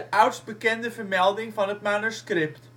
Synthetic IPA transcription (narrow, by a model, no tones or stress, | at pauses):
ʔœwtsbəkɛndəvərmɛlˠdɪŋfɑnət̚manuskrɪpt